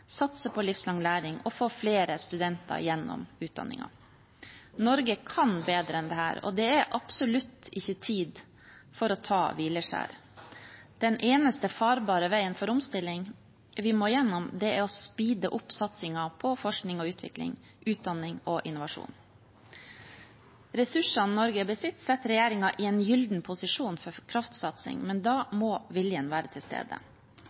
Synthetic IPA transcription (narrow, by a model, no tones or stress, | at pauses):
sɑt̪səpʰɔlɪfslɑŋlæːɾɪŋɔfoːfleːɾəst̪ʉd̪ɛnt̪ʰɑ̰ɾjɛnːɔ̰mʉːt̪̚d̪ɑ̰nːɪ̰ŋɑ̰ | nɔɾɡəkʰɑnbeːd̪ɾəɛnd̪ɛhæ̰ːɾɔ̰d̪ɛæɾʔɑpsʊlʉt̪ːɪçːət̪ʰiːd̪ | fɔɾɔt̪ʰɑːʋiːləʂæ̰ːɾ | d̪̥ɛnʔeːnəst̪əfɑːɾbɑːɾəʋæɪənfɔɾʊmst̪ɪlːɪŋ | ʋɪmoːjɛnːɔmd̪ɛɛɔspiːd̪əʔʊpsɑt̪sɪŋɑpʰɔfɔʂknɪŋɔʉːt̪ʰʋɪ̰klɪ̰ŋ | ʔʉːt̪̚d̪ɑnːɪŋɔʔɪnʊʋɑʂṵːn | ɾɛsʉʂɑnnɔɾɡəbəsɪt̪ːsɛt̪ːɾɛjeːɾɪŋɑʔɪɛnjʏld̪n̩pʰʊsɪʂuːnfɔɾkʰɾɑft̪sɑt̪sɪ̰ŋmɛnd̪ɑːmɔːʋɪljənʋæːɾət̪ʰɪlst̪ḛːd̪ə̰